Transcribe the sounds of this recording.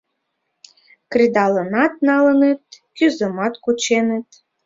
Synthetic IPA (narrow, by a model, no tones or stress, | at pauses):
krʲid̪ɑlɤ̆nɑt̪̚nɑlə̆net̪̚ | kʲyzə̆mɑt̪kut͡ɕenĕt̪̚